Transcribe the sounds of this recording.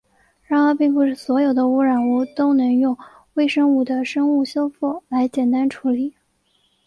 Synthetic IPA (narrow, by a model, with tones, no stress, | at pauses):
ɻɑ˥˩ŋə˥˧pi˥˧ŋpu˥˩ʂ̩˥˩swɔ˧˥jo˨˩ʊd̪ə˦u˥ɻa˨˩nu˥˩t̪o˥ʊnɤ˧˥ŋjʊ˥˩ŋ | we˥˧ɪʂɤ˥ŋu˥˩d̪ə˨ʂɤ˥ŋu˥˩ɕjo˥ʊfu˥˩la˧˥ɪt͡ɕjɛ˨˩nt̪a˥nʈ͡ʂʰu˧˥li˨˩˦